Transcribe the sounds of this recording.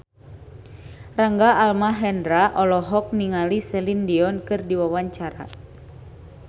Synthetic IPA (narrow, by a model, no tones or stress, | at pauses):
raŋɡaalmaɦɛndɾaʔɔlɔɦɔk̚niŋalisɛlindiɔnkɨrdiwawaɲt͡ʃaɾa̰